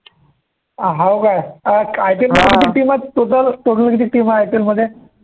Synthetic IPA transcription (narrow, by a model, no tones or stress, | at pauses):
ɦawkajkajʈelməd̪ʱjekit̪iːk̚ʈiːmat̪ːot̪əlt̪oʈʰəlkit̪ik̚ʈiːmaajʈelməd̪ʱːje